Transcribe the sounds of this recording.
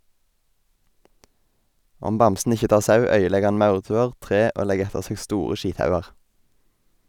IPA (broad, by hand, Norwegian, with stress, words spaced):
ˈɔm ˈbɑmsn̩ ˈɪçə ˈtɑːʁ ˈsɑʉ ˈœʏəˌlɛɡ ˈhɑn ˈmɑʉʁˌtʉːəʁ ˈtʁeː ˈoː ˈlɛɡ ˈɛtəʁ ˈseːɡ ˈstuːʁə ˈʃiːtˌhɑʉɑʁ